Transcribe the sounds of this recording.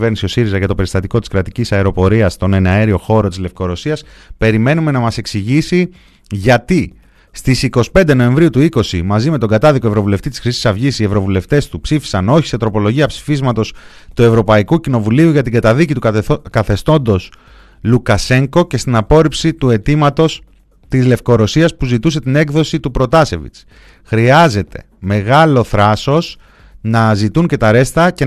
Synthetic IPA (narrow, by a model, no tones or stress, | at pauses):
veɾnisio̞siɾizɐʝɐt̪o̞pe̞ɾist̪ɐt̪iko̞t̪i̥skɾɐt̪icisɐeɾo̞po̞ɾiɐst̪o̞ne̞neɐeɾio̞xo̞ɾo̞t̪izle̞fko̞ɾo̞siɐs | pe̞ɾime̞nume̞nɐmɐse̞ksiʝisi | ʝɐt̪i | st̪isiko̞si̥pe̞nd̪e̞no̞e̞ɱvɾiut̪uiko̞simɐzime̞t̪o̞ŋɡɐt̪ɐðikoe̞vɾo̞vule̞ft̪it̪i̥sxɾisi̥sɐvʝisie̞vɾo̞vule̞ft̪e̞st̪upsifi̥sɐno̞çi̥se̞t̪ɾo̞po̞lo̞ʝiɐpsi̥fizmɐt̪o̞s | t̪ue̞vɾo̞pɐikucino̞vuliuʝɐt̪iɡɐt̪ɐðicit̪ukɐθe̞st̪o̞nd̪o̞s | lukɐse̞ŋko̞ce̞st̪inɐpo̞ɾipsit̪ue̞t̪imɐt̪o̞s | t̪izle̞fko̞ɾo̞siɐspuzit̪use̞t̪ine̞kðo̞sit̪upɾo̞t̪ɐse̞vḭt͡s | xɾiɐze̞t̪e̞ | me̞ɣɐlo̞θɾɐso̞s | nɐzit̪unce̞t̪ɐɾe̞st̪ɐce̞